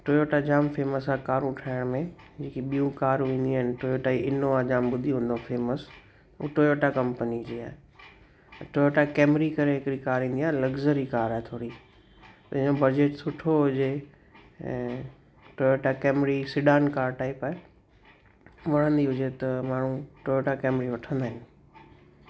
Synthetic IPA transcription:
ʈoːjoːʈad͡ʑaːmfeːməsaːkaːɾũʈʰaːɪɽ̃mẽ | d͡ʑeːkiɓijũkaːɾʋĩːnd̪iaːɦɪnɪ̆ʈoːjoːʈaiʔɪnoãd͡ʑaːmbʊd̪ʱiɦũːn̆d̪ofeːməs | ṵʈoːjoːʈakɐ̃mpənid͡ʑeːaːɦe | ʈojoːʈakeːmɾikɐɾeɦɪkɪɾikaːɾĩːnd̪iaːelɐɡzəɾikaːɾaːet̪ʰoːɽi | t̪ɐɪ̃obɐd͡ʑeːʈsʊʈʰoɦʊd͡ʑẽ | ʈojoːʈakɛːmɾisɪɖaːnkaːɾʈaːipaːe | ʋɐɽ̤ə̃nd̪iɦʊd͡ʑet̪ɐmaːɳ̤ũʈojoːʈakɛːmɾiʋɐʈʰə̃nd̪aːɦɪ̃n

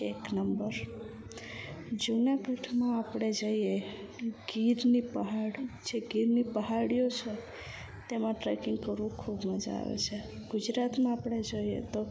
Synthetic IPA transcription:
eknəmbəɾ | d͡ʒunakəʈʰmãapɽed͡ʒaije | ɡiɾnipəɦaɽd͡ʒeɡiɾnipəɦaɽijot͡ʃʰə | t̪emãʈɾekiŋɡkəɾukʰubməd͡ʒa̰ʋɛ̰t͡ʃʰɛ | ɡud͡ʒɾat̪mãapɽ̃ed͡ʒəijḛt̪ɔ

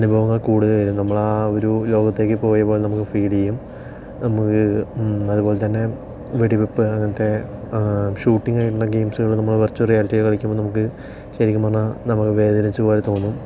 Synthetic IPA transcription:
ɐnubʱɐʋɐŋːɐɭkuːɽɨðɨʋɐɾumnɐmːɐɭoɾulo̞ːɡɐt̪ːe̞ːkːɨpo̞ːjɐpo̞ːlnɐmukːɨfiːlejum | nɐmukːɨɐðubo̞ːlet̪ɐnːe̞ | ʋeɽibepːɨɐŋːɐnɐt̪ːe̞ | ɕuːʈːiŋɡaːjiʈːuɳːɐɡe̞ːmsuɣɐɭnɐmːɐɭʋɐrt͡ɕːurijaːliʈːiɣɐlkɐɭikʲːumboːnɐmuk̬ːɨ | ɕɐɾikʲːumaɳanɐmukːɨʋe̞ːðɐɾɐt͡ɕːubo̞ːɾet̪o̞ːnːum

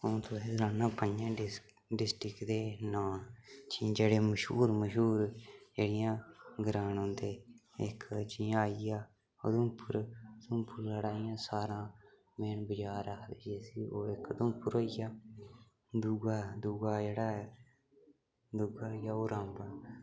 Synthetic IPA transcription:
õːt̪ʰʊeːɾaːnãːpəd͡ʒãː | ɖɪsʈɾɪkd̪eːnaːt͡ʃiːd͡ʒeːɽeːməʃɦuːɾməʃɦuːɾd͡ʒeːɽɪjãːɡəɾaːnɦʊ̃ːnd̪eːɪ̰kʰt͡ʃĩːaːijaː | o̰d̪õːpʰəɾd̪ʊːpʰʊɾləɽaːɪjãːsaːɾãː | meːnbəd͡ʒaːɾakʰd̪eeːsiːoːɪkd̪õːpʊɾoːijaː | d̪uːɡaːd̪uːɡaːd͡ʒeːɽaː | d̪uːɡaːjaːoːɾãːmbaː

